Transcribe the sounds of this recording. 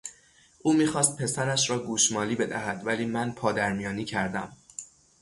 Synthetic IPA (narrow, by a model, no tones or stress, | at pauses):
ʔuːmiːxɒːst̪̚pʰe̞sæɾæʃɾɒːɡuːʃmɒːliːbe̞d̪æhæd̪̥væliːmænpʰɒːd̪æɾmijɒːniːcʰæɾd̪æ̰m